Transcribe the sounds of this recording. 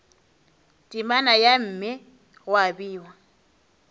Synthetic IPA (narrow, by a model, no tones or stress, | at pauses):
tʼimanajam̩ːmɪ | ɣʊabiːwa